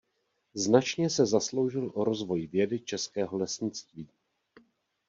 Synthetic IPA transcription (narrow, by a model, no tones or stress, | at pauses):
znat͡ʃɲɛsɛzaslo̞wʒɪlʔo̞ɾo̞zvo̞jvjɛdɪt͡ʃɛskɛːɦo̞lɛsɲɪt͡st̪viː